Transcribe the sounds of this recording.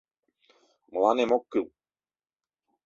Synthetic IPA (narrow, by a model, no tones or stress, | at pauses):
mlanɛmokːɨl